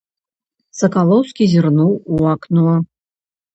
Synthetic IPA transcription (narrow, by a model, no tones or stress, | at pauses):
sɐkalˠɔwskʲizʲɨrnuwuɑknuɐ